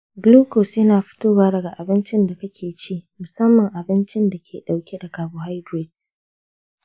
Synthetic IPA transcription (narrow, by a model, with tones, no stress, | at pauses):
ɡluː˦koː˨sjɪ˦naː˨ɸɪ̥˦toː˦waː˦dɐ˨ɡa˨ʔa˨bɪ˦nt͡ʃɪ˦nda˨kɐ˦kʲʰeː˨t͡ʃiː˦˨mʊ˨sɐ˦mːɐ˨ŋʔa˨bɪ˦nt͡ʃɪ˦nda˨kʲʰeː˨ɗa˨wkʲe˦da˨kaː˨boː˦ɦa˦jdɾe˨ds